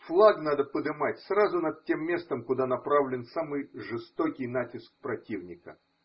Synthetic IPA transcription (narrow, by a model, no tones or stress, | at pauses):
flˠaɡnad̪əpəd̪ɨmatʲsrazʊnɐd̪̚tʲe̞mːʲe̞st̪əmkʊd̪anɐpɾavlʲɪnsamɨjʐɨst̪okʲɪjn̪atʲɪskpɾɐtʲivnʲɪkə̰